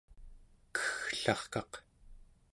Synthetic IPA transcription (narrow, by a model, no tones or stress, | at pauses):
kə̥xɬɑχkɑq